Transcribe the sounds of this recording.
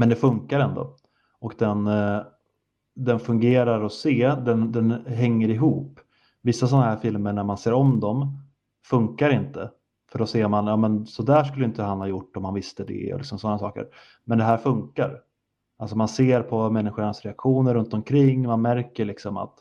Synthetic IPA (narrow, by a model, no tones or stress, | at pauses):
mɛnd̪ɛfɵŋkaɾɛnd̪ɔ̰ | ɔkd̪ɛn | d̪ɛnfɵŋɡeːɾaɾɔseːd̪ɛnd̪ɛnɦɛŋːəɾɪɦuːpː | vɪsːasɔnːaɦæːɾfɪlməɳæɾmanseːɾɔmd̪ɔm | fɵŋkaɾɪnt̪ə | fœɖɔseːɾmanjɑːmɛnsɔd̪æːʂkɵlːəjɪnt̪əɦanhajʊʈːɔmhanvɪst̪əd̪ɛ̰ɔ̰lɪ̰ksɔmsɔnːasɑːkə̰ɾ | mɛnd̪ɛɦæːɾfɵŋkaɾ | alsɔmanseːɾpʰɔmɛnːɪɧʊɳasɾɛakɧuːnəɾɵnt̪ɔmkʰɾɪŋːmanmæɾkəɭɪksɔma̰t̪